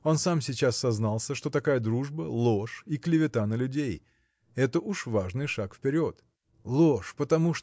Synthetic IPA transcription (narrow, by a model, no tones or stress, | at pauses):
o̞nsamsʲɪt͡ɕasːɐznalˠsʲəʂt̪o̞t̪ɐkajəd̪ɾuʐbəlˠo̞ʂiklʲɪvʲɪt̪anəlʲʉdʲej | ɛt̪əʔuʂvaʐnɨjʂakfpʲɪɾʲo̞t̪ | lˠoʂpət̪ɐmuʂ